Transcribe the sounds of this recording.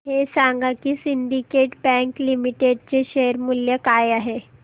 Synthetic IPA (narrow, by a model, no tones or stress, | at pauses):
ɦesãŋɡakisinɖ̪ikeʈbɛ̃ŋklimiʈeɖ̚t͡ɕeʃeəɾmuljəkajaɦe